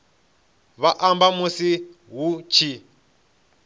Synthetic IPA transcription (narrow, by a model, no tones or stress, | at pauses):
βaʔambamusi | ɦut͡ʃʰi